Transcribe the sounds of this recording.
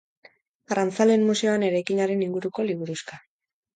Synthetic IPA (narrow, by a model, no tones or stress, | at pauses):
arant͡sale̞nmuse̞oane̞ɾajkiɲaɾe̞niŋɡuɾuko̞liβ̞uɾuska